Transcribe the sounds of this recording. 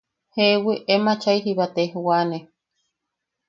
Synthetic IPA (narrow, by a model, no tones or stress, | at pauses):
heʔwiʔemat͡ʃaiɦiβat̪eɦuwane